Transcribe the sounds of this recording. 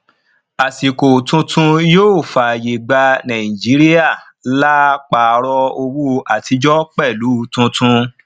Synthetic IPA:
a˨si˨ko˨tũ˧tʰũ˧joː˦˨fa˨je˨ɡ͡ba˧nã˨ĩ˨d͡ʒi˨˦ɾi˦ja˦˨ | la˦k͡pa˨˧ɾɔ˧o˧wu˦o˧ʔa˨tʰi˧d͡ʒɔ˦k͡pɛ˦˨lu˨˦˧tũ˧tũ˧

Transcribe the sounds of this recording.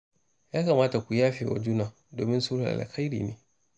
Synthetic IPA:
ja˦ka˨maː˦ta˨kʷu˨ja˦fɪ˨ɔ̰˨d͡ʒu˦nã˨ | doː˨mĩ˦nsuː˦ɾa̰˨a̰˨la̰˨kʰa˦ɾḭ˨nḭ̃˦

